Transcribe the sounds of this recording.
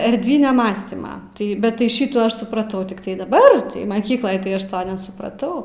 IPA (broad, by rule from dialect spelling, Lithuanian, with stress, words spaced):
ɛrʲdʲˈʋʲɪnʲɛ ˈmɑːsʲtʲiːmɐ ˈtɐɪ bʲɛt tɐɪ ˈʃʲɪtuː ˈɐʃ sʊprɐˈtɐʊ tʲɪkˈtɐɪ dɐˈbɐr mɐˈkʲiːklˠoːj tɐɪ ˈɐʃ ˈtoː nʲɛsʊprɐˈtɐʊ